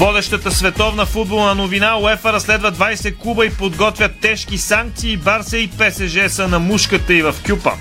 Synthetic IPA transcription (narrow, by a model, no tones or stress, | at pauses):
vɔd̪ɛʃt̪ət̪əsvɛt̪ɔvnəfud̪̚bolˠnɐnovinaoɛfəɾɐslɛd̪vəd̪vajsɛkˠubəipod̪ɡɔt̪vʲjɐt̪ːɛʃk̟isaŋk̚t̪siːbaɾsəipɛsɛʒɛsənɐmuʃkət̪əivɐfkʲupə̰